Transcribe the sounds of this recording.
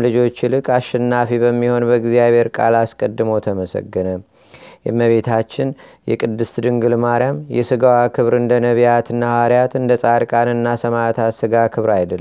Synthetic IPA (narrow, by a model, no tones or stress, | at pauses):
lɨd͡ʒo̞t͡ʃːɪlɨkʼaʃːɛnːafiβəmːiho̞nbəɡzijaβhe̞ɾkʼalaskʼəd̪ːɨmot̪ʰəməsə̰ɡːɨnə | jɛ̰məβe̞t̪ʰat͡ʃːɪn | jɛ̰kʼɨd̪ːɨst̪d̪ɨŋɡɨlmaɾjamjɛsɨɡawakʰɨβɾɨnd̪ənəβijat̪ɨnːahaɾjat̪ɨnd̪əsʼaɾkʼanɨnːasəmat̪ʰat̪sɨɡakʰɨβɾajd̪əlː